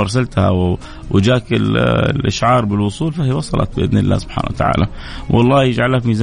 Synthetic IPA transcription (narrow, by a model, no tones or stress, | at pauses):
ɑɾˤs̬alt̪ha̰w | wd͡ʒaːkɪllʔaʃʕɑːɾˤbɪlwʊsˤuːlfahiːwɑsˤɑlʔɑ̰t̪̚bɪʔɪðnɪlːa̰ːsʊb̥ħa̰ːna̰wat̪aʕa̰ːla | wʔɑ̰lˤːɑːjɪd͡ʒʕalːamiːz